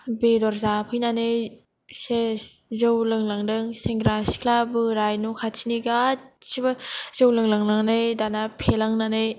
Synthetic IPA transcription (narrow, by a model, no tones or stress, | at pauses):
bedɔɾzapʰɯjnanɯ | sezɯwlɯŋlaŋdɯŋseŋɡɾasi̥kʰlabɯɾajnukʰasʰiniɡasibaz̥ɯwlɯŋlaŋlaŋnɯjdanapʰelaŋnanɯj